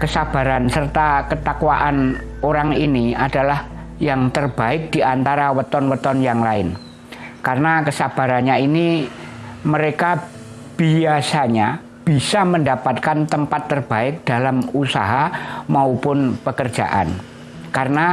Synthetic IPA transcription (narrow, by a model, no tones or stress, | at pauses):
kəsab̥a̤ɾansərt̪akət̪akwaʔan | oɾaŋiniadalah | jaŋt̪ərb̥aɪk̚d̥iant̪aɾawət̪ɔnwət̪ɔnjaŋlaɪn | karənakəsab̥a̤ɾanɲaini | məɾeka | b̥iasaɲa | b̥isaməndapat̪̚kant̪əmpat̪ːərb̥aɪk̚d̥alamusaɦamaupʊnpəkərd͡ʒa̰ʔa̰n | karəna